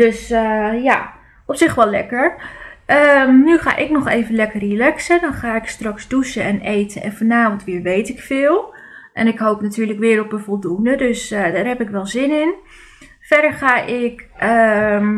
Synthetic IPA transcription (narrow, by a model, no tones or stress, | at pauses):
d̥øsja | ɔpsɪxʋɔlɛ̰kəɹəmnyχa̰ːʔɪknɔχeːvənlɛkərilɛksədɔnχaːɪkstrɑksdusəɛnejtʰəʔɛ̰nfɔnaːvəntʋɪːəɹʋejtɪkfɪːlˠ | ʔɛnɪkɦoːpnatyːɹləkʋɪːɾɔpəvɔlˠdundədøsdaːrɦɛpɪkʋɛlˠzɪnɪn | fɛdəɹχaːʔɪkə